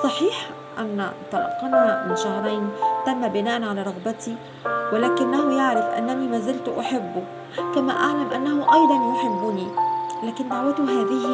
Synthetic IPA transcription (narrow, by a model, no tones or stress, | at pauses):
sˤɑħiːħ | ʔanːæ̰t̪ˤɑlɑ̰qɑnamɪnʃɑhɾˤɑjnt̪æmːæbɪnaːʔænʕalæːɾˤɑɣbat̪i | wɪlæːkɪnːæɦʊjaʕɾɪfʔa̰nːænimæzɪlt̪ʊʔaħɪbːʊ | kæmæ̰ːʔaʕlamʔanːæhʊʔɑjd̪ˤɑnjoħɪbːʊnilæːkɪnd̪aʕwæt̪uɦaːðɪh